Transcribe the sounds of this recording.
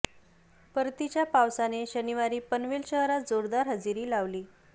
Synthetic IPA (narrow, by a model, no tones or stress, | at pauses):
pəɾt̪it͡ɕjapawsaneɕəniʋaɾiːpənʋilɕəɦɾat̪d͡zoɾd̪aɾɦəd͡ziɾiːlaʋliː